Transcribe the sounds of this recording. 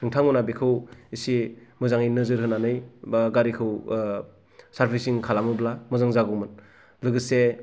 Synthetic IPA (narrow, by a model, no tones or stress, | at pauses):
nɯŋtʰaŋunabikʰɯwisimɯzaŋinɯzɯɾɦɯnanɯjbɡaɾikʰɯw | saɾpʰisiŋkʰalamɯblamɯzaŋzaɡɯmɯn | lɯɡɯse